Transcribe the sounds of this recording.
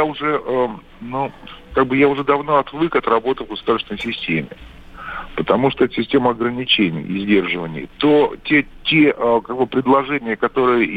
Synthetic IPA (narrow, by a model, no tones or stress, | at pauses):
jaʊʐɛʔə | nukaɡ̚bɨjaʊʐɛd̪ɐvno̞ɐt̪lˠɨkɐt̪rɐbo̞t̪ɨvɡəsʊd̪arsʲvɪnəjsʲɪsʲtʲemʲɪ̰ | pət̪ɐmuʂt̪oɛt̪ə̥sʲɪsʲtʲeməɐɡɾənʲɪt͡ɕenʲɪ̰jɪ̰zʲdʲe̞rʐɨvənʲɪ̰jə̰t̪otʲetʲeʔkaɡ̚bɨpɾʲɪd̪lˠɐʐɛnʲɪjəkɐt̪o̞ɾɨjə